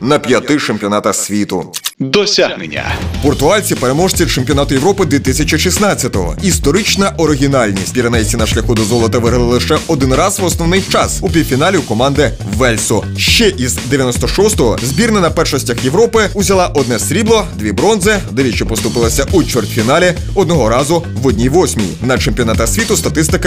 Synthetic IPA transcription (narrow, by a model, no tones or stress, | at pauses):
nɐpʲjɐt̪ɪt͡ʃemʲpʲiɔnɑt̪ɐsʲʋʲit̪ʊd̪ɔsʲaɦnḛnʲːɐ̰pɔrt̪ʊalʲt͡sʲipeɾemɔʐt͡sʲit͡ʃemʲpʲiɔnɑt̪ʊjeʋɾɔpɪd̪ʲʋʲit̪ɪsʲɐt͡ʃiʃisnɑt͡sʲːɐt̪ɔɦɔ̰ist̪ɔɾɪt͡ʃnɐʔɔɾɪɦʲinɑlʲnʲḭsʲt̚ʲpʲiɾʲɐnɛjʲt͡sʲinɐʃlʲɐxʊd̪ɔzɔlˠɔt̪ɐʋɪɦɐlˠɪlˠɪʃɛʔɔd̪ɪnrɑzʋɔsnɔʋnɪjt͡ʃɑsupʲiwʲfʲinɑlʲiʊkɔmɑnd̪ɪ | ʋɛlʲsɔ | ʃt͡ʃɛʔizd̪eʋʲjɐnɔst̪ɔʃɔst̪ɔɦɔzʲbʲirnɐnɐpɛrʃɔsʲtʲɐxjeʋɾɔpɪʊzʲɐlˠɑʔɔd̪̚nɛsʲɾʲiblˠɔd̪ʲʋʲibɾɔnzɪd̪eʋʲit͡ʃɔpɔst̪ʊpɪlˠɐsʲɐʔut͡ʃʋert̪ʲfʲinɑlʲɪ | ɔd̪̚nɔɦɔɾɑzʊʋɔdʲnʲiʋɔsʲmʲijḭnɐt͡ʃemʲpʲiɔnɑt̪ɐsʲʋʲit̪ʊst̪ɐt̪ɪst̪ɪkɐ